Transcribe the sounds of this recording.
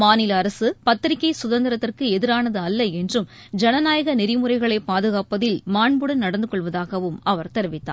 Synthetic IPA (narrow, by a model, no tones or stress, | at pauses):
maːnɪlɐɐɾɐsɯpɐt̪ːɪɾɪkːɐɪsʊðɐnd̪ɪɾɐt̪ːɪrkɯɛðɪɾaːnɐðɯɐlːɐɛndrɯmd͡ʒɛnɐnaːjɐɣɐnɪɾɪmɯrɐɪɣɐɭɐɪpaːðɯɣaːpɐðɪlmaːɳbɯɽɯnɐɽɐnd̪ɯkɔɭʋɐðaːɣɐʋɯmɐʋɐɾt̪ɛɾɯʋɪt̪ːa̰ː